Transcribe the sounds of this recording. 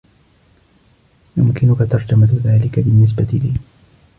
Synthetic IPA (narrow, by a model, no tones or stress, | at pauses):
jʊmkɪnʊkat̪ɑɾˤd͡ʒamaðaːlɪkabɪnːɪs̬bat̪ɪliː